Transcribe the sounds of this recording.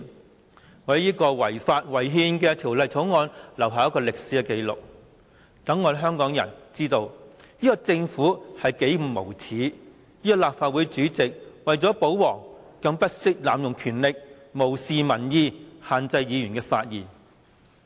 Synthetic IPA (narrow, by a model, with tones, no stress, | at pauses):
ŋɔː˨˧˨jiː˥kɔː˧wɐ˨˩jfaː˧t̚wɐ˨˩jɦiː˧nkɛː˧t̪ʰiː˨˩wlɐ˨˧jt͡sʰo˨˥wŋɔː˧nlɐ˨˩wɦaː˨˧jɐ˥tkɔː˧lɪ˨k̚siː˨˥kɛ˧ke˧jlʊ̰˨k̚ | t̪ɐ˨˥ŋːɔː˨˧ɦœː˥ŋkɔː˨˥ŋjɐ̰˨˩nt͡siː˥t̪o˧w | jiː˥kɔ˧t͡sɪ˧ŋfuː˨˥hɐ˨jke˨˥j̩˨˩mo˨˩wt͡sʰiː˨˥ | jiː˥kɔ˧laː˨p̚faː˨t̚wu˨˥jt͡ʃyː˨˥t͡sɪ˨k̚wɐ˨jt͡sɔː˨˥po˨˥wwɔː˨˩ŋkɐ˧ŋpɐ˥t̚sɪ˥k̚laː˨mjʊ˨˩ŋkʰyː˨˩nlɪ˨k̚ | mo˨˩wsiː˨mɐ˨˩njiː˧haː˨nt͡sɐ˧jjiː˨˧jy˨˩nkɛː˧fa̰ː˧t̚jiː˨˩n